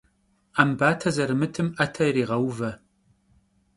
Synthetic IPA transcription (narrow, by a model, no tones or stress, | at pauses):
aːmbaːtʰɐzɐɾɨmɨtʰɨmɐtʰɐjriːʁɐwvɐ